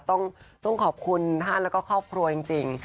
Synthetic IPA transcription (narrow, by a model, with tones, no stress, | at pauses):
t̪ɔ˥˩ŋt̪ɔ˥˩ŋkʰɔː˨˩p̚kʰu˧nt̪ʰaː˥˩nlɛː˦˥kɔː˥˩kʰɔː˥˩p̚kʰɾu˧ɐt͡ɕi˧ŋt͡ɕi˧ŋ